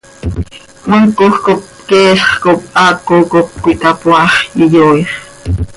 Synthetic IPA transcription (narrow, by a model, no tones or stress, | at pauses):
məŋkoxkop̚ | kɛːɬχkop̚ʔɑkokop̚kʷit̪apwɑχjəjoiχ